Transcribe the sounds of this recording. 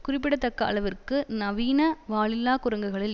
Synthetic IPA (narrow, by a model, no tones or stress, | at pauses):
kʊrɪpːɪɽɐt̪ːɐkːɐʔɐ̰ɭɐʋɪrkɯnɐʋiːnɐʋaːɭɪlːaːkʊɾɐŋɡɯɣɐɭɪl